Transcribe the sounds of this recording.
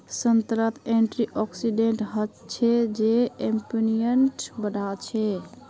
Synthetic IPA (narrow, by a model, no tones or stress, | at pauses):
sənt̪ɾət̪eɳʈɾiʔɔksiɖeɳʈɦət̪ | t͡ʃʰɛd͡ʒeempinijəɳʈbəd̪ʱat͡ʃʰɛ